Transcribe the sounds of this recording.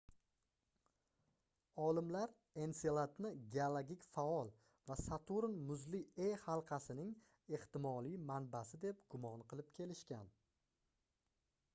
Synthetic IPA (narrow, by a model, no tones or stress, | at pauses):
ɒlɪmlaɾ | e̞nselˠat̪nɪɡʲealˠaɡʲikʲfaɒlˠ | vasat̪ʰuɾnmʊzliehalˠqʰɑsɪnɪŋ | e̞ht̪ɪmɒlˠijmanbasɪd̪e̞p̚ɡʊmɒnqʰɨlɪp̚kʲʰe̞lɪʃkʲan